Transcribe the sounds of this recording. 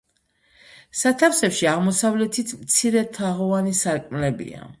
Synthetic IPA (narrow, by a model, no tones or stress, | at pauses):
sat̪ʰafsɛpʃiaʁmɔsavlɛt̪ʰit̪ʰmt̪sʰiɾɛt̪ʰaʁɔanisaɾkʼmlɛbḭa̰